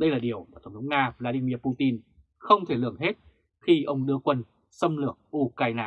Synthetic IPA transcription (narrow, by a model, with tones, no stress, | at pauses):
ɗə˧jlaː˨˩ɗi˨˩əwmaː˨˩t̪ə˧˩ŋ͡mt̪ʰə˧˦ŋ͡mŋaː˧vlaː˧ɗi˧mi˧əpu˧t̪i˧n | xə˧wŋ͡mt̪ʰe˧˩lɨ̰˨˧˩əŋɦe˦˥t̚ | xi˧ʔə˧wŋ͡mɗɨ˧əkwə˧n | sə˧mlɨ˧˩əŋʔu˧kaː˧jnaː˧